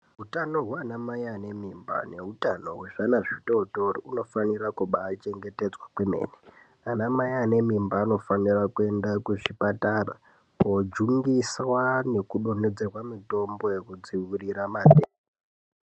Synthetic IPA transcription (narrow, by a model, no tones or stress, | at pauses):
ɦutano̞ɦwanamajane̞mimba̰ne̞utano̞ɦwe̞ʐanaʐitoːtoriuno̞fanirakuɓaːt͡ʃe̞ŋɡe̞te̞d͡zwakweme̞̰ːne | anamajaːne̞mimbaːno̞fanirakue̞ndakuʐipataːra̰ | pod͡ʒuŋɡiswane̞kuɗo̞ne̞d͡ze̞rwamito̞mbojekud͡ziwiriɾamaːde